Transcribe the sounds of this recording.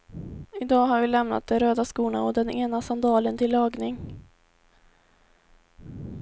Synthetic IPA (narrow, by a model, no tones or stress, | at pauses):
ɪd̪ɑːɦaɾvɪlɛmna̰t̪̚d̪ɛnɾøːd̪askuːna̰ɔd̪ɛneːnasand̪ɑːlənt̪ʰɪlːɑːɡnɪŋ